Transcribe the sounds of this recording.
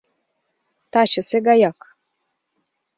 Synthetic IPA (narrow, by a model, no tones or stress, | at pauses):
t̪ɑɕɤ̆seɡɑjɑk